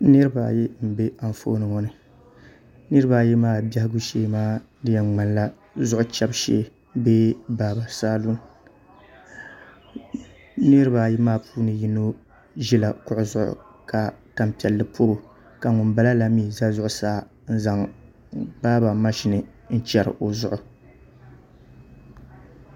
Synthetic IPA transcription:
nɨ˦ɾɨ˦ba̰˨jɛ˦m̩˨be˦a˨ɱfo̰˦nɨ˨ŋɔ˦nɨ˨ | nɨ˦ɾɨ˦ba˨jɛ˦maː˦˨ba˦hɪ˦ɡu˦ʃeː˦maː˦ | dɨ˦jɛ˨ŋ͡ma˨nla˦ | zʊ˦ʔʊ˦t͡ʃɛ˦bʃɛ̰˦ | beː˦baː˦ba˨saː˦lu˦n | nɨ˦ɾɨ˦ba˨jɛ˦maː˦˨puː˦nɨ˨ji˦no˦ | ʒi˦la˨kʊ˦ʔʊ˦zʊ˦ʔʊ̰˨ka˨ta˨mpi˨ɛ˨lːɨ˨pʰo˦ɾʊ˨ | ka˨ŋʊ˨mba˦la˦la˨mi˦˨za˦zʊ˦ʔʊ˨saː˨˦˨ | n̩˦za˨ŋ | baː˦ba˨ma˦ʃi˨nɨ˨ | n̩˦t͡ʃɛ˨ɾɨ̰˨ʔo˨zʊ˦ʔʊ˨

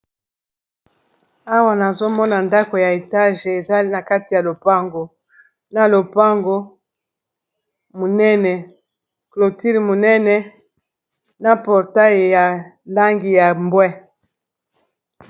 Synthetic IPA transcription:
a˦wa˨na˨zo˦mɔ˦na˨nda˦ko˨ja˨e˨ta˦ʒe˨za˦na˨ka˦ti˨ja˨lo˨pa˦ŋɡo˨ | na˨lo˨pa˦ŋɡo˦ | mo˨nɛ˦nɛ˨ | klo˨ti˦lmo˨nɛ˦nɛ˨ | na˨pɔ˨ʁta˦jja˨la˦ŋɡi˨ja˨mbwɛ˦

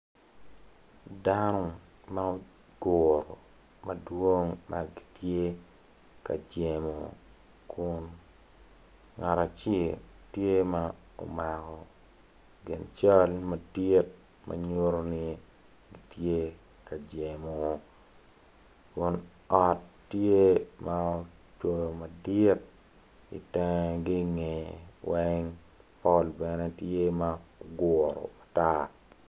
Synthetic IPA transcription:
da˦no˦ | ma˦o˦ | ɡo˨ɾɔ˨ | mɐ˨dwo˦ŋma̰˨ɡi̥˨tje˦ | ka̰˨d͡ʒe˨mo˨ | kʊ˦n | ŋa˨ɾa˨t͡ʃɪ˦˨ltje˦ma˦ | o̰˨ma˨kɔ˨ | ɡɪ˨nt͡ʃa˦lmɐ˨ti˦t̚ | mʔa̰˨ɲo˦ɾo˦nɪ˦ | ɡi˨tje˦ | ka˨d͡ʒe˨mo˨ | kʊ˦n | ɔ˨tːje˦ma˦o˦ | t͡ʃo˨jo˨ma˨dɪ˦t̚ | ḭ˨tɛ˦ŋɡi˦ŋe˨wɛ˦ŋ | pɔ˦lbɛ˨nɛ˦tje˦ma˦oɡʊ˨ɾɔ̰˨a˨ta˦

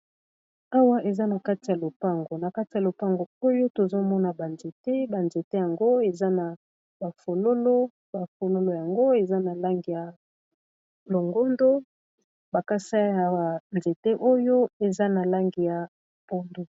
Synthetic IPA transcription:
a˦wa˦ʔe˨za˦na˨ka˦ti˨ja˨lo˨pa˦˨ŋɡo˨na˨ka˦ti˨ja˨lo˨pa˦ŋɡo˨o˦jo˦to˨zo˦mɔ˦na˨ba˨nze˨te˦ba˨nze˨te˦ja˨ŋɡo˦e˨za˦na˨ | ba˨fo˨lo˦lo˦ | ba˨fo˨lo˦lo˨ja˨ŋɡo˦e˨za˦na˨la˦ŋɡi˨ja˨ | lo˨ŋɡo˦ndo˦ | ba˨ka˦sa˦ja˨nze˨te˦ʔo˦jo˦e˨za˦na˨la˦ŋɡi˨ja˨ | bo˦ndo˨

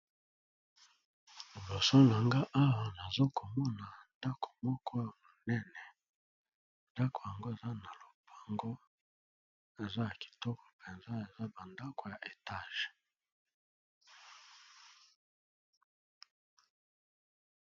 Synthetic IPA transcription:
lo˨so˦na˨ŋɡa˦ʔa˦wa˨na˨zo˦ko˨mɔ˦na˨nda˦ko̥˨mɔ˦kʰɔ˦ja˨mo˨nɛ˦nɛ˨ | nda˦kʰo̥˨ja˨ŋɡo˦e˨za˦na˨lo˨pa˨ŋɡo˦ | e˨za˦ja˨ki̥˨tɔ˦kʰɔ̥˨pʰe˨nza˦e˨za˦ba˨nda˦ko˨ja˨ʔe˨ta˦˨ʒ̥e̥˨

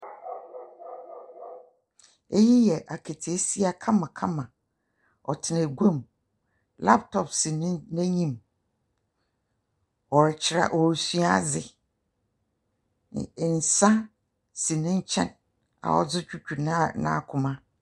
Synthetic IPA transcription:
e˦ji˦jɛ˨ʔa˨kʰe˨tʰi˨e˦si˦a˨kʰã˦mã˨kʰã˦mã˨ | ɔ̰˨tʰɪ˨næ˨ɡʷã˦˨m | la̰˦ptʰɔ˨psi˨nɪ̃˦nɛ̃˦ɲĩ˦˨m | ɔ˨ɾɪ˨t͡ɕʰɪ˨ɾa̰˨ʔɔ˨ɾsi˦a˦d͡zɪ˨ | n̩˨sã˦ | si˨nɪ̃˦ɲ̩˦t͡ɕʰɛ̰̃˦˨n | a̰˨ɔ̰˦d͡zʊ˦t͡ɕᶣu˦t͡ɕʰᶣu˨na˦nã̰˦˨kʰʊ̃˨mã˦

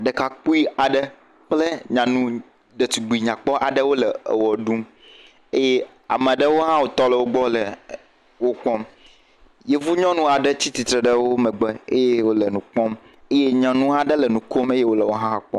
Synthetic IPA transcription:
ɖə˨ka˨k͡pu˦i˦a˨ɖə˦ | k͡plə˦ɲã˨nũ˦ | ɖə˨t̪u˨ɡ͡bi˨ɲã˨k͡pɔ˦ʔa˨ɖə˦wo˦lə˨ḛ˨wɔ˨ɖũ˦m | e˦je˦ | a̰˨mə̃˨ɖə˦wo˦ɦã˦wo˨t̪ɔ˦lə˨wo˦ɡ͡bɔ˦lə˨ | wo˦k͡pɔ̃˦m | je˦vu˦ɲɔ̃˦nũ˦a˨ɖə˦t͡ɕi˦t̪i˨t̪ɾe˨ɖə˦wo˦mə̃˨ɡ͡be˦e˦je˦wo˦lə˨nũ˨k͡pɔ̃˦m | e˦je˦ɲɔ̃˨nũ˦a˨ɖə˦lə˨nũ˨ko˦me˦je˦wo˦lə˨wo˦ɦã˦ã˦k͡pɔ̰̃˦

